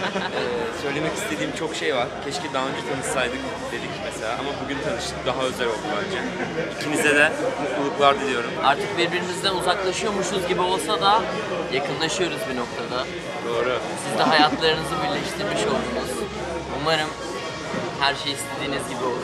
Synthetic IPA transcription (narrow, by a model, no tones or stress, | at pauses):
ɛːsø̞jlʲe̞mɛci̥st̪ʰe̞d̪iːimt͡ʃʰo̞kʃejvaɾ̥cʰɛʃcid̪aaønd͡ʒɛt̪ʰanɯssajd̪ɯk | d̪e̞d̪icmeselʲaːamabuɟynt̪ʰanɯʃt̪ʰɯk̚d̪aɦaø̞zælʲolˠvæɾd͡ʒɛ | icʰinizɛd̪ɛmuulˠuklˠaɾd̪ilʲijo̞ɾuma̰ɾt̪ʰɯk̚biɾbiɾinizd̪ænuzaklˠaʃɯjo̞ɾmuʃunzɟibio̞lˠsad̪a | jakʰɯnlˠaʃɯjo̞ɾuzbino̞k̚t̪ʰad̪a | d̪̥o̞ːɾu | sizd̪ɛɦajat̪lˠaɾɯnɯzɯbilʲɛʃt̪ʰiɾmiʃo̞lˠd̪uːnuz̥ | umaɾɯm | hæɾʃejist̪ʰe̞d̪iːnizɟibio